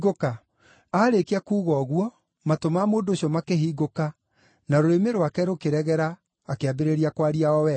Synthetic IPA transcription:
ɡoka | aːɾekeakuːɣɔɣwɔ | matomamoːndoːɕjɔmakeɦiːɡoka | naɾoɾemeɾwakɛɾokeɾɛɣɛɾaː | keabeɾeɾiakwaɾiaɔwɛ

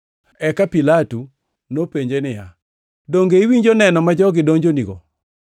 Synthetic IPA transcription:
ɛkapilatu | nopeɲd͡ʒenɪja | doŋɡeiwiɲd͡ʒonɛnɔmad͡ʒɔɡɪdoɲd͡ʒoniɡo̰

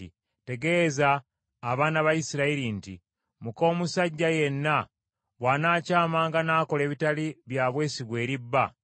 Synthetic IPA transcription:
ḭ | te̞ɡe̞zaː | βaːnaβajisiɾaiɾinti | muko̞ːmusaɟːaje̞nːa | βwaːnaːcaːmaːŋɡanaːko̞le̞ːβitaliβjaːβwe̞ːsiɡwe̞ːɾibːa

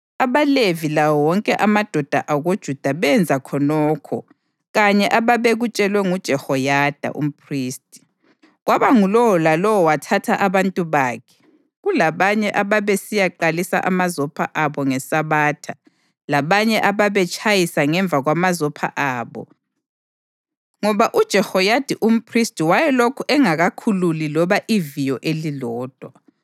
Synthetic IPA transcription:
aβalevilawɔwɔŋkʼɛʔamad̥ʱɔd̥ʱa̰ʔaɣod̥ʒ̥ʱud̥ʱaβɛnd͡zʱakʰɔnɔːkʰɔ̰ | ɣaɲɛʔaβaβeɣut͡ʃʼɛlwɛŋud̥ʒ̥ʱɛhɔjad̥ʱa̰ʔṵm̩pʰriːstʼi̥ | ɣwaβaŋulɔwɔlalɔwɔwatʰatʰaʔaβantʼuβaːkʰɛ̥ | ɣulaβaɲɛʔaβaβesijaǃalisa̰ʔa̰mazɔpʰaʔaβɔŋɛsaβaːtʰa | laβaɲɛʔaβaβɛt͡ʃʼʰajisaŋɛɱb̪vʱaɣwamazɔpʰa̰ʔaːβɔ̰ | ŋɔβaʔud̥ʒ̥ʱɛhɔjad̥ʱiʔum̩pʰristʼiwajɛlokʰuʔɛŋaɣakʰululilɔβaʔivijɔʔelilɔːd̥ʱwa

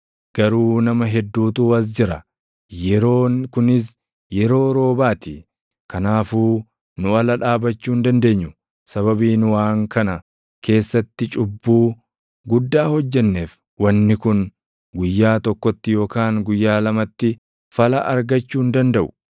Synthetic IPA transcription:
ɡ̥ɐɾuːnɐmɐɦɛd̪ːuːt̪uːɐs̬d͡ʒɪɾɐ | jɛɾoːkʊnɪs̬ | jɛɾo̞ːɾo̞ːbaːt̪ɪ | kɐnaːfuː | nʊɐlɐᶑaːbɐt͡ʃːuːnd̪ɐnd̪e̞ːɲːʊ | sɐβɐbiːnʊwaːŋkɐnɐ | kʰe̞ːsːɐt̪ːɪt͡ʃʼʊbːuː | ɡʊd̪ːaːhɔd͡ʒːɛnːe̞ːf | wɐnːɪkʊn | ɡʊjːaːt̪ɔkːɔt̪ːɪjo̞ːkaːŋɡʊjːaːlɐmɐt̪ːɪ | fɐlɐʔɐɾɡɐt͡ʃːuːnd̪ɐnd̪ɐʔʊ̥

